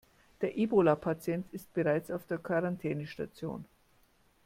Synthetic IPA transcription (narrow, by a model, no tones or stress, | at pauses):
d̥eːɐʔiːbolapʰat͡sjɛntɪst̚b̥əʁaɪt͡saʊfd̥eːɐkʰaʁantʰɛːnəʃtat͡sjo̰ːn